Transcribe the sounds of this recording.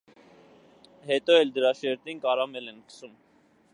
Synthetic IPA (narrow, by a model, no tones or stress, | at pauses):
hɛt̪ɔɛld̪əɾɑʃɛɾt̪inkɑɾɑmɛlɛnkə̥sum